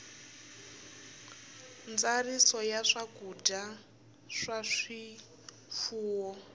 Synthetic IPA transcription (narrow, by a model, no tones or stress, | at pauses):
nd͡zarisɔjaʂaɡuda | ʂaʂi | fuːwɔ